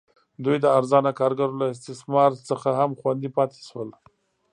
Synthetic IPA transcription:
d̪ujd̪əaɾzɑnakɑɾɡaɾolaɪs̬t̪ɪsmɑɾt͡səxaɦamxwand̪ipɑt̪ʰe̥ʃwəl

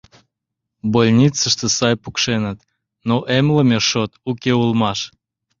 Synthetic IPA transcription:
bolʲnʲit͡səʃt̪ə̆sɑjpukʃenət̪ | noʔemləmʲeʃot̪ukʲeulˠmɑʃ

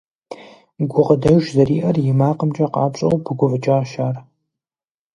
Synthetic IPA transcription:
ɡʷʊʁɐdɐʒʷzɐriːʔɐrjɪmaːqəmt͡ʃʼɐqɑ̰ːpɕʼɐ̰wbʰɨɡʷʊvɨt͡ʃʼaːʃaːr

